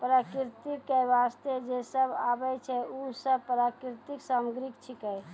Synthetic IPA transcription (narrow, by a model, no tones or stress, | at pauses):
pəɾakiɾt̪ikːɛjʋast̪ed͡ʒesəba̰bɛt͡ʃʰɛusəbpɾakiɾt̪iksamɡɾikt͡ʃʰikɛj